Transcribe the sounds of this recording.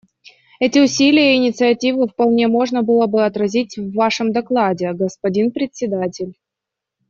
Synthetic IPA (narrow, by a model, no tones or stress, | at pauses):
ɛtʲɪʊsʲilʲɪjəɪnʲɪt̪sɨɐtʲivɨfpɐlˠnʲe̞mo̞ʐnəbɨlˠəbɨɐt̪ɾɐzʲitʲvːaʂɨmd̪ɐklˠadʲɪɡəspɐdʲinpɾʲɪt̪ʲsʲɪd̪atʲɪlʲ